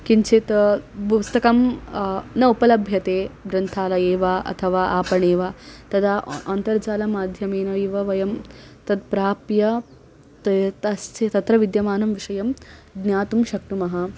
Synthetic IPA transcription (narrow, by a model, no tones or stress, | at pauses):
kiɲt͡ʃʰeːt̪pust̪ɐkɐm | nɐupɐlɐbʱjɐt̪eːbɾɐnt̪ʰaːlɐeːʋaːɐ̰t̪ʰɐʋaːʔaːpɐɳeːʋaːt̪ɐd̪aːʔɐnt̪ɐɾd͡ʒaːlɐmaːd̪ʱjɐmeːnɐʋeːʋɐʋɐjɐm | t̪ɐd̪̚pɾaːpjɐ | t̪ɐt̪ɐst͡ʃʰet̪ɐt̪ɾɐʋid̪jɐmaːnɐmʋiʂɐjɐmɡ̪njaːt̪umʃɐkʈumɐɦɐ